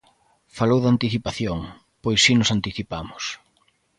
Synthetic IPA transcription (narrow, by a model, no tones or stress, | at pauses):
falowðant̪iθipaθjoŋ | pojsːinʊsant̪iθipamʊs